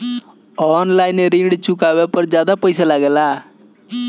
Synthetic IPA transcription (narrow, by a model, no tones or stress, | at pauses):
ɔːnlaːɪneɾĩːɖt͡ʃʊkaːʋepəɾd͡ʒjaːd̪apəjsalaːɡeːlaː